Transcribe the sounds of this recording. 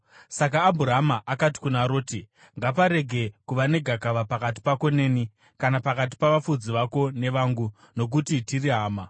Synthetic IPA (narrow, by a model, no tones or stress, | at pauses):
sak̬aːbʱuɾaɦamaʔakati̥kunaɾo̞ːti | ŋɡapaɾe̞ɡʱe̞kuʋane̞ɡʱakaʋapakat̬i̥pako̞ne̞ːni | kanapakat̬i̥paʋafud͡ziʋako̞ne̞ʋaːŋɡu | no̞k̬utitiriɦaːma